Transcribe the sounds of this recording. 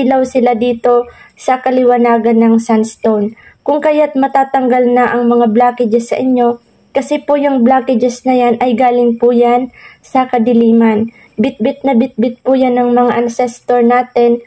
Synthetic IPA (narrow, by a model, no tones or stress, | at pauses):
lɐwsɪlad̪iːt̪o̞sɐkɐlɪwɐnaːɡɐnːɐŋsanst̪ownkʊŋkɐjat̪̚mɐt̪aːt̪ɐŋɡalnɐʔɐŋmɐŋablaːkɪd͡ʒɛsːɐ̰ʔɪɲjo̞ | kɐsɛpʊjʊŋblaːkɪd͡ʒɛsnɐjanʔɐjɡaːlɪŋpʊjansɐkɐd̪ɪliːman | bɪt̪̚bɪt̪̚nɐbɪt̪̚bɪt̪̚pʊjanɐŋmɐŋaʔɐnsɛst̪oɹnaːt̪ɛn